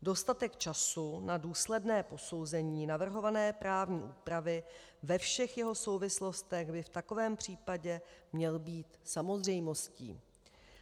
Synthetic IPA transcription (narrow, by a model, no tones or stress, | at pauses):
do̞st̪at̪ɛkt͡ʃasunaduːslɛdnɛːpo̞so̞wzɛɲiːnavr̩ɦo̞vanɛːpɾaːvɲiːʔuːpɾavɪvɛfʃɛxjɛɦo̞so̞wvɪslo̞st̪ɛɣbɪft̪ako̞vɛːmpr̝̥iːpaɟɛmɲɛlbiːt̪samo̞zrɛjmo̞scḭː